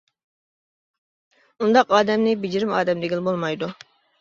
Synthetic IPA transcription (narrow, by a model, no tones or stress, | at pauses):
und̪ɑqɑːd̪ɛmnɪbid͡ʒiɾɪmɑːd̪ɛmd̪ɪɡʲilˠbolˠmɑjd̪u